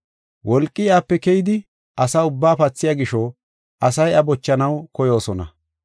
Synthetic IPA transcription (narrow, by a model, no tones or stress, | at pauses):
wɔlkʼːɪaːpːɛkɛjɪd̪ɪ | ʔɐsaʊbːaːpɐt͡sːɪjaːɡɪʃo | ʔɐsɐjɐbɔt͡ʃːɐnɐwkɔjo̞ːsɔnɐ̰